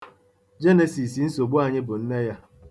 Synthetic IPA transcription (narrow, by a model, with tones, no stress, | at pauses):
d͡ʒe˦ne˨si˨si˨n̩˦so˨ɡ͡bu˦a˨ɲɪ˦bʊ˨n̩˦ne˦ja˦